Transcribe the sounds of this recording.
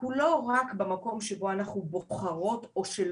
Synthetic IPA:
kulo̞ʁakbemako̞mʃebo̞anaχnuboχaʁo̞to̞ʃel

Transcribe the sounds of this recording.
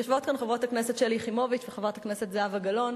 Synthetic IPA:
joʃvotkanχavʁotakneset̪ʃeliχimo̞vit͡ʃveχavʁothaknese̞tzeavaɡalo̞n

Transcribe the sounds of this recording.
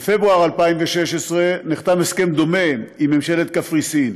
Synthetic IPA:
fe̞bʁuaʁalpaimveʃeʃesʁeniχt̪ameske̞md̪o̞memimːemʃelet̪kafʁisin

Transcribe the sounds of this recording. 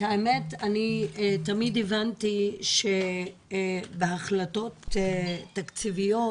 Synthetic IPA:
haemetanitamidevantiʃe | behaχlato̞tː | akt͡sivijo

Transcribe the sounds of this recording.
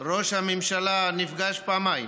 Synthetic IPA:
ɾoʃamimʃalanifɡaʃpamajm

